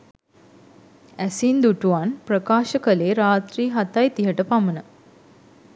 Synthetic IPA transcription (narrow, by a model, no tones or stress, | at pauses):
æsind̪uʈuʋanprəkaːʃəkəleːɾaːt̪riːɦat̪ajt̪iɦəʈəpamənə